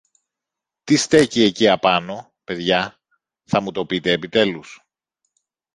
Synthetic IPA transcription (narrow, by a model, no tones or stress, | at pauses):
t̪ist̪e̞cieciɐpɐno̞ | pe̞ðʝɐ | θɐmut̪o̞pit̪e̞ːpit̪e̞lus